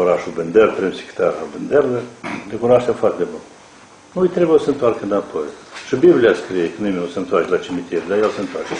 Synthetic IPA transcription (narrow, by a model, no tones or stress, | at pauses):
oɾaʃubɨnd̪erp̪ɾemsi̥kt̪aɾabɨnd̪erled̪ekoɾaʃefoart̪ed̪ebun | nujt̪ɾebujsəɨnt̪oarkəɨnapʰojʃɨbiblʲiaskɾijekənimenʲosəɨnt̪oart͡ʃelat͡ʃimit̪ʲiɾd̪ajelsəɨnt̪oart͡ʃe